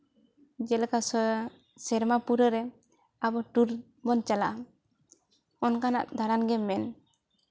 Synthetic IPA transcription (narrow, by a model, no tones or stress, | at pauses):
d͡ʒɛlkasɔ | sɛɾmapuɾɔɾɛ | abɔʈuɾ | bɔnt͡ʃalaʔa | ɔnkana̰ʔd̪aɾanɡɛmɛn